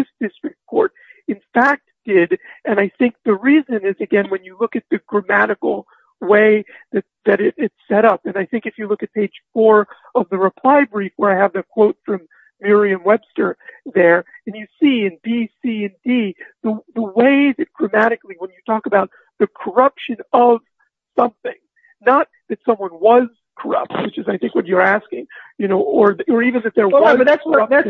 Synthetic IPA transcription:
ðɪsd̥ɪstɹ̥ɨk̚t̚kʰɔɹɾ | ɨ̃nfæk̚td̥ɪɾʔɨ̃naɪθɪ̃ŋk̚ðɨɹizɨ̃nɪzɨɡɛ̃nwɨ̃njɨlʊkɨt̪̚ðɨɡɹɨmæɾɨkl̩ˠ | weɪðɨt̪̚ðɨɾɪɾɪtsɛɾʌpɨ̃naɪθɪ̃ŋkɨfjɨlʊkɨt̚pʰeɪd̥ʒ̥fɔɹ | ʌvðɨɹɨpʰl̥aɪbɹifwə˞aɪɨvðɨt̚kʰw̥oʊtfɹʌ̃mː | ɪɹiɨ̃mwɛb̥stə˞ðə˞ɨ̃njɨsiɨ̃nbisiɨ̃ndiðəðəweɪðɨt̚ɡ̥ɹɨmæɾɨkliwə̃njɨtʰɔkəbaʊt̪̚ | ðɨkʰə˞ʌpʃɨ̃nʌv̥ | sʌ̃mθɪ̃ŋ | nət̪̚ðɨtsʌ̃mwʌ̃nwʌz̥kʰə˞ʌ̰p̚t̚wɨt͡ʃɨzaɪθɪ̃ŋkwʌt͡ʃə˞æskɪ̃ŋjɨnoʊə˞ðə˞ivɨ̃nðɨt̪̚ðə˞wʌkʰə˞ʌ

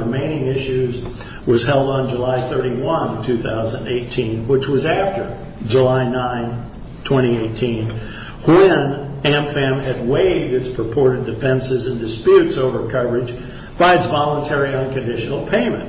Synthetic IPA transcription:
ɨmẽɪ̃nɪ̃ŋɪʃʉz | wʌz̥ɦɛlˠdn̩d͡ʒəlaɪθɜ˞ɾiwʌ̃ntʰʉθa̰ʊzə̃ndeɪtʰĩnwət͡ʃwʌzæftə˞ | d͡ʒəlaɪnãɪ̃n | tʰw̥ɛ̃ɾ̃ieɪtʰĩn | wɪ̃næ̃mfæ̃mɨd̚weɪvd̚ɨtzpʰɹ̥əpʰɔɹɾɨdɨfɛ̃nsɨzɨ̃ndɨspjʉtsoʊvə˞kʰʌvə˞ɨd͡ʒ | b̥aɪɨtsvɑlˠə̃ntʰɛɹiʌ̃nkɨ̃ndɪʃn̩l̩ˠpʰẽɪ̃mɨ̰̃nt

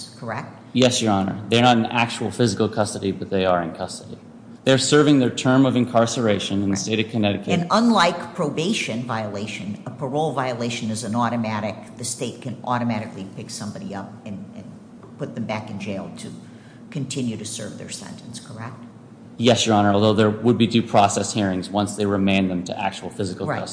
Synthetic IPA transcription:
kʰə˞ɛk̚t̚jɛsjə˞ɑnə̰˞ðə˞nəɾɨ̃n̩æk̚t͡ʃul̩ˠfɪzɨkl̩ˠkʰʌstɨɾibʌt̪̚ðeɪə˞ɨ̃nkʰʌstɨɾi | ðeɪə˞sɜ˞vɪ̃ŋðə˞tʰɜ̃˞mʌvɨ̃nkʰɑɹsə˞eɪʃɨ̃nɨ̃nðɨsteɪɾʌv̥kʰɨ̃nɛɾɨkʰeɨ̃nə̃nlaɪkpʰɹ̥oʊbeɪʃɨ̃nvaɪəleɪʃɨ̃nəpʰə˞oʊlˠvaɪəleɪʃɨ̃nɨzɨ̃nɔɾɨmæɾɨk̚ðɨsteɪt̚kʰɨ̃nɔɾɨmæɾɨklipʰɪksʌ̃mbɑɾḭʌp̚ɨ̃nɨ̃n | pʊt̪̚ð̃m̩bækɨ̃nd͡ʒeɪlˠtʰɨ | kʰɨ̃ntʰɪ̃njʉɾɨsɜ̰˞vðə̰˞sɛ̰̃ntʰɨ̃n̩skʰə˞ɛk̚t̚ | jɛsjə˞ɑnə˞ɔlˠðoʊðə˞wəd̚bidʉpʰɹ̥ɔsɛshiɹɪ̃ŋzwʌ̃nsðeɪɹɨmẽɪ̃nðɨ̃mtʰɨʔæ̰k̚t͡ʃul̩ˠfɪzɨkl̩ˠʌ

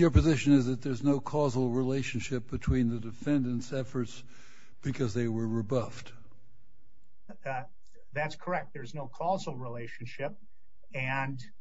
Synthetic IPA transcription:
jə˞pɨzɪʃɨ̃nɨzðɨt̪̚ðə˞znoʊkʰɔzl̩ˠɹileɪʃɨ̃nʃɪp̚b̥ɨtʰw̥ĩnðɨdɨfɛ̃ndɨ̃nsɛfə˞ts | b̥ɨkʰʌzðeɪwə˞ɹɨbʌft | ðætskʰə˞ɛk̚t̪̚ðə˞znoʊkʰɔzl̩ˠɹileɪʃnʃɪp̚ | ɨ̃n

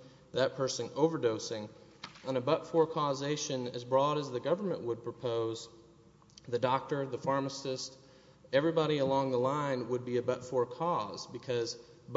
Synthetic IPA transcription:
ðɨt̚pʰɜ˞sɨ̃noʊvə˞doʊsɪ̃ŋ | ʔə̃nɨbʌtfɔɹkʰɔzeɪʃɨ̃nɨ̰zbɹɔɾɨzðɨɡʌvə˞mə̰̃nʔwəd̚pʰɹ̥əpʰoʊz | ðɨdɑk̚tə˞ðɨfɑɹməsɨst | ɛvɹibɑɾiəlɔ̃ŋðəlãɪ̃nwəd̚biɨbʌtfɔɹkʰɔzbɨkʰʌz | b

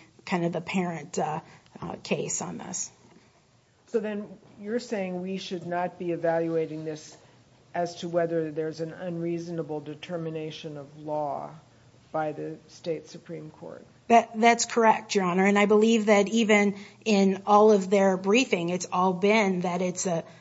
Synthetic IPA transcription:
kʰãɪ̃ndʌvðɨpʰɛɹɨ̃nt | kʰeɪsn̩ðɪ̰s | soʊðɨ̃njə˞seɪɪ̃ŋwiʃɨdⁿnət̚b̥iɨvælˠjueɪɾɪ̃ŋðɪs | ɨz̥tʰəwɛðə˞ðə˞zɨ̃nə̃nɹiznəbl̩ˠdɨtʰɜ˞mɨneɪʃɨ̃nʌvlɔ | b̥aɪðɨsteɪtsɨpʰɹ̥ĩmkʰɔ̰ɹt̚b̥ʌt̪̚ðætskʰə˞ɛk̚tɑnə˞ɨ̃naɪbəlivðɨɾivɨ̃nʔɪ̃nɔlˠʌvðə˞bɹifɪ̃ŋɨtsɔlˠbɪ̃nðɨɾɪtsɨ

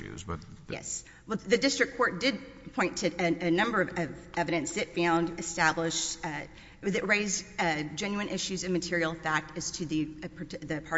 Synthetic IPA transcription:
ʉ̰zbʌ̰t̪̚jɛ̰s | wɛðɨdɪstɹ̥ɨkʰːɔɹt̚d̥ɪd̚ | pʰɔ̃ɪ̃ntʰɨɨɨnʌ̃mbə˞ʌvʌvɛvɨɾɨ̃nsðɨtfãʊ̃ndɨstæblɪʃt | ɨðɨʔ̚ɹeɪzd͡ʒɛ̃njʉɨ̃nʔɪʃʉzɨ̃vmɨtʰɪɹil̩ˠfæk̚tɨz̥tʰɨðɨpʰðɨpʰɑ

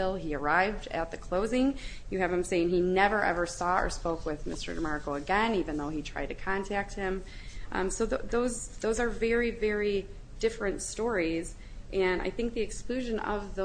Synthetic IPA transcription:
ɪlˠiə˞aɪvdɨ̰t̪̚ðɨkʰl̥oʊzɪ̃ŋ | jɨɨvɨ̃mseɪɪ̃ŋinɛvə˞ʔɛ̰və˞sɔə̰˞spoʊkwɪðmɪstə̰˞dəmɑɹkl̩ˠəɡɛ̃nivɨ̃nðoʊitʰɹ̥aɪd̚tʰɨkʰɑ̃ntʰæk̚t̚hɪ̃m | ʔsoʊððoʊzðoʊzə˞vɛɹivɛɹi | d̥ɪfɹɨ̃ntstɔɹiz | ʔɨ̃na̰ɪθɪ̃ŋk̚ðiɨksklʉʒɨ̃nʌ̰vð

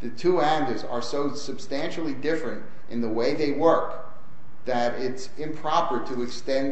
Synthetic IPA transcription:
ðɨtʰuæ̃ndə˞zə̰˞soʊsɨb̥stæ̃nʃl̩ˠidɪfɹɨ̃nt | ʔɨ̃nðəweɪðeɪwɜ˞k | ðɨɾɪts | ɨ̃mpʰɹ̥ɑpə˞ɾəɨkstɛ̃n

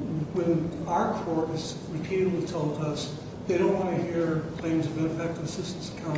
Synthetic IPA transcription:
wɨ̃naʊə˞kʰɔɹɾɨz | ɹɨpʰiɾɨdˡlitʰoʊlˠdʌs | ðeɪɾõʊ̃nʔwɑ̃ñɨhiɹkʰl̥ẽɪ̃mzʌvɨ̃nɨfɛk̚tɨɨsɪstn̩sə̥kʰãʊ̃

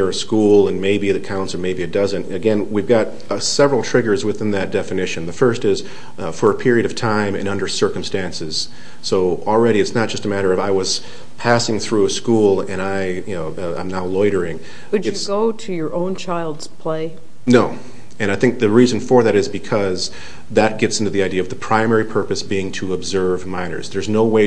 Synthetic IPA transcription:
ə˞ɨskulˠə̃nmeɪbiðɨkʰãʊ̃nsl̩ˠmeɪbiɨt̚d̥ʌzɨ̃ntɨɡɛ̃nwivɡɑt̚ | sɛvɹl̩ˠtʰɹ̥ɪɡə˞zwɨθɪ̃nðɨt̚d̥ɛfɨnɪʃɨ̃nðɨfɜ˞stɪz̥ | fə˞ɨpʰɪɹiɨɾʌv̥tʰãɪ̃mɨ̰̃nʌ̃ndə˞sɜ˞km̩stæ̃nsɨz̥ | soʊl̩ˠɹɛɾiɨtsnət̚ʒ̥ʌstəmæɾə˞ʌvaɪwʌz̥ | pʰæsɪ̃ŋθɹuɨskulˠɨ̃naɪjɨnoʊ | ã̰ɪ̃mnaʊlɔɪɾə˞ɪ̃ŋ | wɨd͡ʒɨtsɡoʊɾɨjə˞ʔõʊ̃nt͡ʃʰaɪlˠdz̥pʰl̥eɪ | noʊ | ɨ̃ɾ̃aɪθɪ̃ŋk̚ðɨɹizɨ̃n̩fə˞ðɨɾɨzbɨkʰʌz | ðɨt̚ɡ̥ɛtsɪ̃ntʉðiaɪdiɨʌvðəpʰɹ̥ãɪ̃mɛɹipʰɜ˞pɨsb̥iɪ̃ŋtʰɨəbzɜ˞vmãɪ̃nə̰˞z̥ðə˞znoʊweɪ

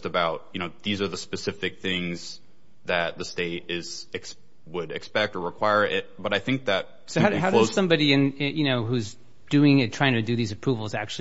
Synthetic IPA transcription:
stəbaʊt̚jɨñoʊðizə˞ðəspɨsɪfɨk̚θɪ̃ŋz̥ | ðɨt̪̚ðɨsteɪɾɪz̥ɨks | wəɾɨkspɛk̚tə˞ɹɨkʰw̥aɪə˞ʔɪt̚b̥ʌɾaɪθɪ̃ŋk̚ðɨt̚ | soʊaʊɦaʊɾssʌ̃mbɑɾiɨ̃nɪjɨñoʊɦuz | d̥ʉɪ̃ŋɨ̃tʰɹ̥aɪɪ̃ŋtʰɨdɨðizɨpʰɹ̥uvl̩ˠzæ̰k̚t͡ʃʉ

